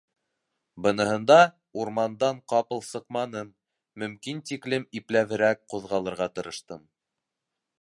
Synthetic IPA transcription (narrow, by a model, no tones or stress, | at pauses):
bɤ̆nɤ̆hɤ̆nd̪ɑ | uɾmɑnd̪ɑɴqɑpɤ̆lˠsɤ̆qmɑnɤmː | ɵ̆mkint̪iklɘmiplæβɘ̆ɾæk̚quðʁɑlˠɤ̆ɾʁɑt̪ɤ̆ɾɤ̆ʃt̪ɤm